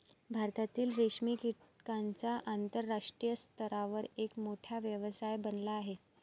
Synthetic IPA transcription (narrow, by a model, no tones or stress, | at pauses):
bʱaɾt̪at̪iːlɾeʂmikiʈkant͡saʔant̪əɾːaʂʈɾijəst̪əɾaʋəɾekmoʈʰjaʋjəʋəsajbənlaːɦe